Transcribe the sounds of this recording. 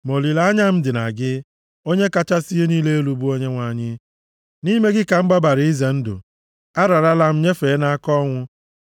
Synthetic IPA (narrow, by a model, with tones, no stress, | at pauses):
mo˨li˨la˦a˦ɲa˦m̩˦dɪ˨na̰˨ɡɪ˦ | o˦ɲe˦ka˦t͡ʃa˦si˦ɦe˦niː˦le˦e˦lu˨bu˦o˦ɲe˦ŋʷa˨ɲɪ˦ | ni˦me˦ɡɪ˦ka˨m̩˦ɡ͡ba˦ba˨ɾɪ˨˦i˦ze˨n̩˦dʊ̰˨ | a˦ɾa˨ɾa˦la˦m̩˦ɲe˦feː˨˦na˦kɔ˦ŋʷʊ˦